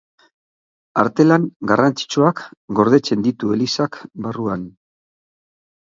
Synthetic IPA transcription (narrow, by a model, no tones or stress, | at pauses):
aɾt̪e̞laŋɡarant͡si̥t͡ʃuakɡo̞ɾð̞e̞t͡se̞nd̪it̪ue̞lisakbaruan